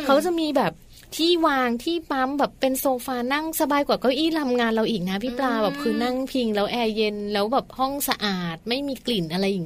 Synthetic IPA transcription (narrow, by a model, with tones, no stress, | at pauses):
kʰa˦˥wt͡ɕa˨˩miː˧bɛː˨˩p̚ | t̪ʰiː˥˩waː˧ŋt̪ʰiː˥˩pa˦˥mbɛː˨˩pːe˧nsoː˧faː˧na˥˩ŋsa˧baː˧jkwaː˨˩kɔː˥˩ʔiː˥˩la˧mŋaː˧nɾa˧wʔiː˨˩k̚na˦˥pʰi˦˥˩plaː˧jbɛː˨˩p̚kʰɯː˧na˥˩ŋpʰi˧ŋlɛː˦˥wʔɛː˧je˧nlɛː˦˥wbɛː˨˩p̚hɔ˥˩ŋsa˧ʔaː˨˩t̪̚ma˥˩jmiː˧kli˨˩nʔa˧ɾa˧jʔiː˨˩˦